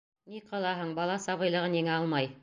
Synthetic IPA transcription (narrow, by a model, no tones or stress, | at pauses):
niqɑlˠɑɦɤɴbɑlˠɑsɑβɤ̆jlˠɤ̆ʁɤniŋæɑlˠmɑj